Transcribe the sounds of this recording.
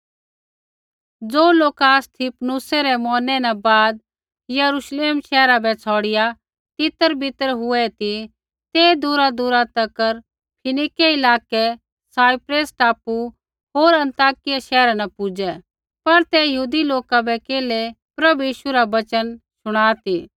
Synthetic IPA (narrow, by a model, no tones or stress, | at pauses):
d͡zoːloːkast̪ʰipnusɛɾɛmɔːnɛnabaːd̪̚ | jɐɾuʃleːmʃɛːɾabɛt͡sʰɔːɽɪja | t̪ɪt̪əɾbɪt̪əɾɦʊɛt̪i | t̪eːd̪ʊɾad̪ʊɾat̪ɐkəɾ | pʰɪnɪkeɪlaːkɛ | saːipɾeːsʈaːpu | ɦoːɾɐ̃nt̪aːkɪjaʃɛːɾanapʊd͡ʒɛ | pɐɾt̪ɛjəɦuːd̪iloːkabɛkeːle | pɾɐbujiːʃuɾabɐt͡ʃənsʊɽ̃aːt̪iː